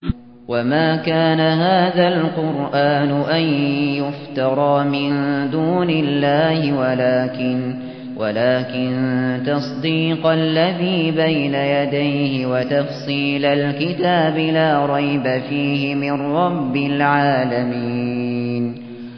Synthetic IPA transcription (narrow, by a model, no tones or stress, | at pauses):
wamaːkaːnaɦaːðalqʊɾʔaːnʊʔanjʊft̪ɑɾˤɑːmɪnd̪uːnɪlːaːhɪwalaːkɪn | wʔa̰laːkɪnt̪ɑsˤd̪iːqalːaðiːbajnajad̪ajhɪwat̪ɑfsˤiːlalkɪt̪aːbɪlaːɾˤɑjbafiːhɪmɪnɾˤɑbːɪlʕaːlamiːn